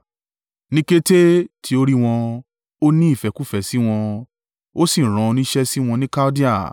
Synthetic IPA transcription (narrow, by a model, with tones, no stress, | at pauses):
nĩ˦ke˦te˦tʰi˧˦o˦ɾi˦w̃ɔ̃˧ | o˦nĩ˦i˦˨fɛ˧ku˦fɛ˨si˦w̃ɔ̃˧ | o˦si˦˨ɾ̃ã˨˧o˧nĩ˦ʃɛ˦si˦w̃ɔ̃˧nĩ˦ka˦o˦di˦a˦˨